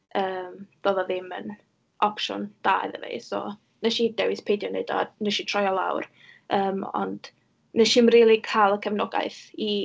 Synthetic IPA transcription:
əːmd̥ɔðɔðɪmən | ʔɔpʃɔ̰nd̥a̰ðə̰vḛjsɔ̰ | nəʃid̥ɛwɪspʰejdjɔneɨdɔ̰nəʃitʰrɔjɔlˠa̰wr | əːmɔ̰nd | nəʃɪmriːlˠikʰaːlˠəkʰəvnɔɡa̰ɨθi

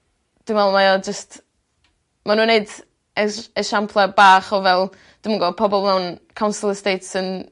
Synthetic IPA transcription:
d̥wɪvɛlˠmajad͡ʒəst | manuːneɨd | ɛəʃampʰlˠɛbaːχɔvɛlˠ | d̥ɪməŋɡɔːpʰɔbɔlˠnawnkʰawnsəlˠəstejtsən

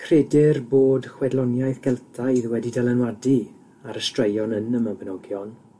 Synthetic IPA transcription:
kʰredɪrboːdχwɛdlˠɔnjajθɡ̥ɛlˠtʰajðwɛdidɛlˠɛnwadi | aɾəstrəjɔnənəməbənɔɡjɔn

